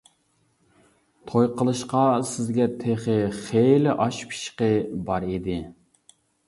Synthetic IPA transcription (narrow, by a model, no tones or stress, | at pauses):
t̪ʰojqʰəlˠɨʃqɑsɪzɡʲɛt̪ʰeχɪχelɪʔɑʃpʰi̥ʃqəbɑɾid̪ɪ